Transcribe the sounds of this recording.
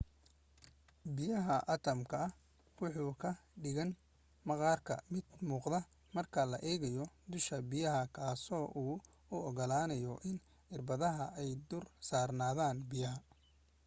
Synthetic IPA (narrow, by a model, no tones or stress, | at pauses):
bɪjɐɦɐʔɐt̪ʰɐmkʰɐɐ | wʊħuːkʰɐɖɪɣɐn | mɐqɑːrkʰɐ̰mɪd̪muːqðɐ | mɐrkʰɐlɐ̰ʔɛːɣɐjɔd̪ʊʃkʰɐbɪjɐɦɐkʰaːsɔːʔuː | ʊɔɣɔlaːnɐjɔʔɪn | ɪrbɐðɐɦɐɛjd̪ʊrsaːrnaːðaːnbɪjɐɦɐ